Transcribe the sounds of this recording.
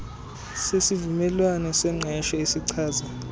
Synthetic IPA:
sesivumɛlwanɛsɛŋ͡ǀʱɛʃɔesiǀʰaːza

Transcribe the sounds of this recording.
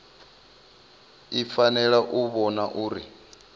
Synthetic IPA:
ifanɛɺaʔuβɔnaʔuːɾi

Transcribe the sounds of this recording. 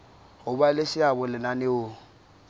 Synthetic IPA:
hʊbalɪsɪabʊlɪnanɪʊ

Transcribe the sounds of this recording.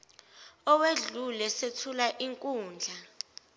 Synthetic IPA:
ɔweɮulɛsetʰulaʔiŋkʼuːnd͡ɮʱa

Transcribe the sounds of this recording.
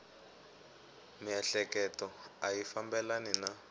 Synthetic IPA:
miaɬɛkɛtɔajifambɛlanina

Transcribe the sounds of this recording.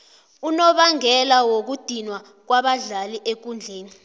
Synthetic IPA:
unɔɓaŋɛlawok̬ud̥ʱinwa | k̬waɓaɮaliʔek̬und͡ɮʱeːni

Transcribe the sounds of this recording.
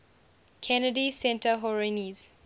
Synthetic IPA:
kʰɛnədisɛ̃ntəɦɔɹeniz̥

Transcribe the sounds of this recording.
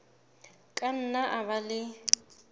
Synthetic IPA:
kʼan̩naʔaβalɪ

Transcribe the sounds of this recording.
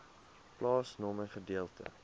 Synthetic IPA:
plɑːsnɔməjχədiəlˠtə̰

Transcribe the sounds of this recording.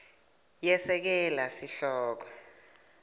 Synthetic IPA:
jɛsɛk̬ɛlasiɬɔːk̬ɔ̥

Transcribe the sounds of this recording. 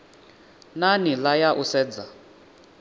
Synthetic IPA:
nanilajaʔusɛːd͡za

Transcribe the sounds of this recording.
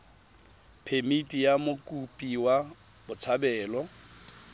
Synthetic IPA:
pʰemitʼijamʊkʼupʼiwa | bʊt͡sʰabɛːlɔ

